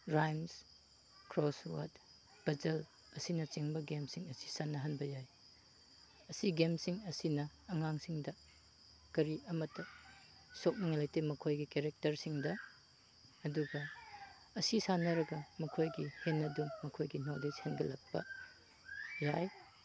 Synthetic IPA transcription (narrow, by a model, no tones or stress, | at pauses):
ɾajms | kɾoswa̰t | b̥ɐzɐl | ɐsinɐt͡ʃiŋbɐɡemsiŋɐsi̥sanːɐɦɐnbɐjaj | ɐsiɡemsiŋɐsinɐːŋaŋsiŋdɐ | kɐɾiɐmɐtːɐ | sok̚mɐŋalajtemɐkʰojɡikeɾek̚tɐɾsiŋdɐː | duɡɐ | ɐsisanɐɾɐɡɐmɐkʰojɡihenːɐdumːɐkʰojɡinoled͡ʒhenɡɐlɐk̚pɐ̰ | jaj